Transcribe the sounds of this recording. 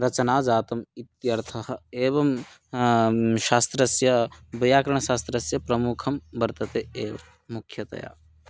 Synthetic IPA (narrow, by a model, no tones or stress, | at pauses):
ɾɐt͡ʃɐnaːd͡ʒaːt̪ɐmit̪jɐɾt̪ʰɐhɐ̆eːbɐm | ʃaːst̪ɾɐsjɐbɐjaːkɐɾɐɳ̃ɐʃaːst̪ɾɐsjɐpɾɐmukʰɐmbɐɾt̪ɐt̪eeːbɐ | mukʰjɐt̪ɐ̰ja̰ː